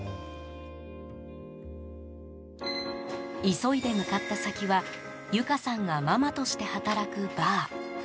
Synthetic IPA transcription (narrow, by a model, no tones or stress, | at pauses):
iso̞id̪e̞mɯ̟kat̪ːasakʲiβa | jɯ̟kasãŋɡamamat̪o̞ɕi̥t̪e̞hat̪aɾakɯ̟baː